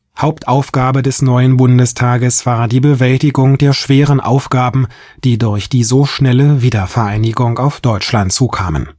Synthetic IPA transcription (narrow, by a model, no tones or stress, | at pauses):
haʊp̚tʔaʊfɡ̥aːbədɛsnɔʏənbʊndəstʰaːɡəsv̥aːɐdiːbəvɛltɪɡʊŋdeːɐʃv̥eːʁənʔa̰ʊfɡ̥aːbm̩ | d̥iːdʊɐçd̥iːzoʃnɛləviːdɐfɛɐʔaɪnɪɡʊŋaʊfd̥ɔʏt͡ʃlantt͡suːkʰa̰ːmə̰n